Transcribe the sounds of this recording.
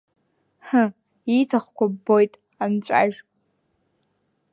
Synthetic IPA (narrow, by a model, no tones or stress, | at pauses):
hə | itʰaχʷkʷabojtʼ | ant͡ɕʷʼa̰ʒ